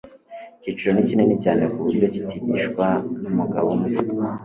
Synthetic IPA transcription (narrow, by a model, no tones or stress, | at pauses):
iciːt͡ʃiɾo̞nicine̞nicaːne̞kuβuɾɟo̞ci̥tidiʃkwanumuɡa̰βomŋe